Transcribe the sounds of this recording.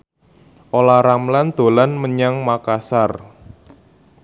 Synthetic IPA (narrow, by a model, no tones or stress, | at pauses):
ʔolaɾamland̪̥o̤lanməɲaŋmakasar